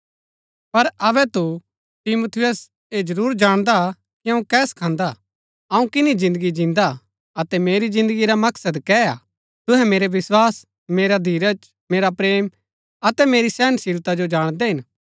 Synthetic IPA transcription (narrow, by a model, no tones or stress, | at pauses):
pɐɾɐβɛt̪u | t̪imut̪ʰɪjəs | ed͡ʒɐɾuːɾd͡ʒaːɽ̃d̪a | kiɐ̃ũkɛːskʰãːnd̪a | ɐũkɪnizɪ̃nd̪əɡid͡ʒɪ̃nd̪a | ɐt̪ɛmeːɾizɪ̃nd̪əɡiɾamɐksəd̪kɛa̰ː | t̪ʊɦɛ̃meːɾeʋɪswaːs | meːɾad̪ʱiːɾət͡ʃ | meːɾapɾeːm | ɐt̪ɛmeːɾisɛːnsɪɾt̪ad͡ʒod͡ʒaːɽ̃d̪ɛɦɪ̃n